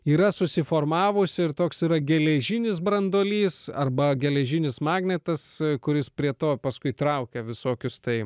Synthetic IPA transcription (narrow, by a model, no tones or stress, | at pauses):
iːɾɐsʊsʲɪfoːrmɑːʋʊsʲɪɪɾt̪oːksiːɾɐɡʲɛlʲɛʒʲɪnʲɪsbɾɐnd̪oːlʲiːsɐ̰rbɐɡʲɛlʲɛʒʲɪnʲɪsmɑːɡnʲɛt̪ɐskʊɾʲɪspʲɾʲiɛt̪oːpɐskʊɪt̪ɾɐʊkʲɛʋʲɪsoːkʲʊst̪ɐɪ